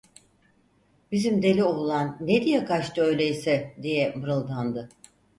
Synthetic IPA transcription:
b̥izimd̪e̞lʲioulˠanːed̪ijɛkat͡ʃt̪ɯø̞jlʲejisɛd̪ijɛmɯɾɯlˠd̪and̪ɯ

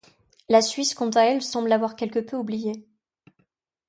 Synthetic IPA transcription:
lasɥiskɔ̃t̪aɛlsɑ̃blavwaʁkʲɛlkəpøublije

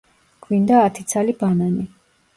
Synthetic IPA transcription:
ɡ̥vind̪aːt̪ʰit̪sʰalibanani

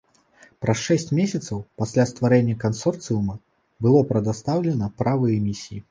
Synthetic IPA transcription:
pɾɐsʂɛsʲt͡sʲmʲesʲɐt̪sɐwpasʲlʲast̪vaɾɛnʲːɐkansɔrt̪sɨjumɐ | bɨlˠɔpɾɐd̪ast̪awlʲɛnɐpɾavɨjɛmʲisʲiji

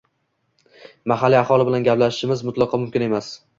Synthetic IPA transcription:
maɦalːiaχɒlˠɪbɪlanɡʲaplaʃɪʃɪmɪzmʊt̪lˠɑqʰɒmʊmkʲɪne̞mas

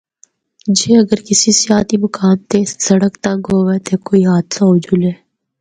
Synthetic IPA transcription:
d͡ʒeːɐɡəɾkɪsisɪjaːt̪imɐkaːnt̪esɐɽəkt̪ɐ̃ŋɡɦoːɡet̪ekoːiɦaːd̪saʊd͡ʒuːlɦɛː

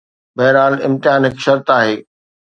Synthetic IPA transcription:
bɐɦɾaːlɪ̰̃mt̪ɪɦaːnɪkʃɐɾt̪aːɦeː

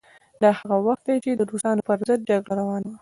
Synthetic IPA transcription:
d̪ɑhaɣawaxt̪̚d̪ejt͡ʃed̪əd̪ost̪ɑnopəɾzəd̪̚d͡ʒaɡɽaɾawɑnawa

